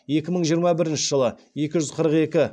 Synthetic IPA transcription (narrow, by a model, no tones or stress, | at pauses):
je̞kʲɪməɴʒijəɾmɑbɪɾɪnʃɪʒəlˠəje̞kʲɪʒʏzqʰəɾəqe̞kʲɪ